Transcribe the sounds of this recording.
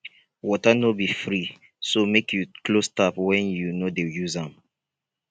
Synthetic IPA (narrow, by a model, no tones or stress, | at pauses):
wɔtanobifɹi | somekʰjuklostapwɛ̃njunodejuzãm